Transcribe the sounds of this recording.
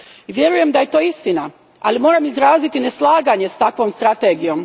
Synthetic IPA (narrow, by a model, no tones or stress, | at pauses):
ʋje̞ɾuje̞md̪aje̞t̪o̞ːist̪ina | alimo̞ːɾaːmizɾaːzit̪ine̞slˠaːɡaːɲest̪akʋo̞ːmst̪ɾat̪e̞ːɡijo̞ːm